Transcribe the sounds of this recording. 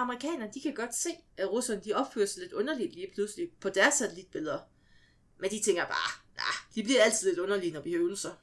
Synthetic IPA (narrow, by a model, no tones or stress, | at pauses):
ɑ̈məʁikʰɛ̰ːnɐnd̥ikʰæɡ̥ɒ̽d̥se̝̰ːʔæʁusɐnəd̥iɒ̽b̥fø̰ɐsle̝d̥ɔ̽nɐlid̥liːpʰlusəlipʰɒ̽d̥æɐsːæt͡sʰelid̥̚b̥e̝lˠɐ | mend̥it͡sʰeŋ̰ɡ̥ɐb̥ɑ̰̈ːnæ̰d̥ib̥liɐæl̰t͡sʰið̞̰ˠle̝d̥ɔ̽nɐlinɒb̥ihøʊl̩sɐ